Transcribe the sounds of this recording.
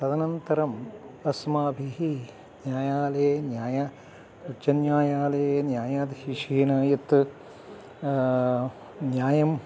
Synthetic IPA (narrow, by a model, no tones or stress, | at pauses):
t̪ɐd̪ɐnɐnt̪ɐɾɐmɐsmaːbʱiɦi | njaːjaːlenjaːjaː | ɐt͡ʃɐnjaːjaːlɐenjaːjaːt̪hiʂiːnɐːjɐt̪ | njaːjɐm